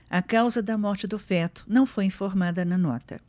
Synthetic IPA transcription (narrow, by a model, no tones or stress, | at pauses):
ɐkawzɐd̪ɐmɔɾt͡ʃɪd̪ʊfɛt̪ʊ̥nɐ̃w̃fojĩfoɾmad̪ɐnɐnɔt̪ɐ̰